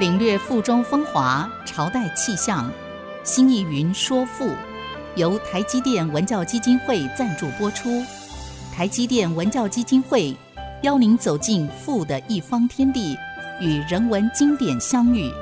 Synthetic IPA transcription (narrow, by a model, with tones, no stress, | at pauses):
li˨˩ŋlɥɛ˥˧fu˥˩ʈ͡ʂʊ˥ŋfɤ˥ŋxwa˧˥ʈ͡ʂʰɑ˧˥ʊt̪a˥˧ɪt͡ɕʰi˥˧ɕjɑ˥˩ŋ | ɕi˥ni˥˩y˧˥nʂwɔ˥fu˥˩ | jo˧˥ʊt̪ʰa˧˥ɪt͡ɕi˥t̪jɛ˥˩nwə˧˥nt͡ɕjɑ˥˩ʊt͡ɕi˥t͡ɕi˥nxwe˥˧ɪt͡sa˥˧nʈ͡ʂu˥˩pwɔ˥ʈ͡ʂʰu˥ | t̪ʰa˧˥ɪt͡ɕi˥t̪jɛ˥˩nwə˧˥nt͡ɕjɑ˥˩ʊt͡ɕi˥t͡ɕi˥nxwe˥˩ɪ | jɑ˥ʊni˧˥ŋt͡so˨˩ʊt͡ɕi˥˧nfu˥˩d̪ə˩ʔi˥˩fɑ˥ŋt̪ʰjɛ˥nt̪i˥˩y˨˩ɻə˧˥nwə˧˥nt͡ɕi˥ŋt̪jɛ˨˩nɕjɑ˥ŋy˥˩